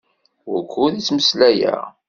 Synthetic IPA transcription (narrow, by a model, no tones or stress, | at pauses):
wʊɾkʷʰːuðit͡sːməslæjæ̰